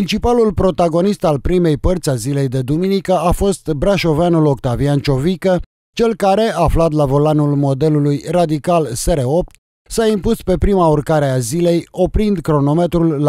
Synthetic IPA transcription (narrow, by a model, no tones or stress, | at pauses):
ɾint͡ʃipalulpɾo̞t̪aɡo̞nist̪alpɾime̞jpərt̪sʲazile̞jd̪e̞d̪uminikəafo̞st̪bɾaʃo̞veanulo̞kt̪aviant͡ʃo̞vikə | t͡ʃe̞lkaɾe̞aːflat̪̬lavo̞lanulmo̞d̪e̞lulujrad̪ikalse̞ɾeo̞p̚t̪ | saimpuspe̞pɾimaurkaɾe̞azile̞jo̞pɾind̪kɾo̞no̞me̞t̪ɾulː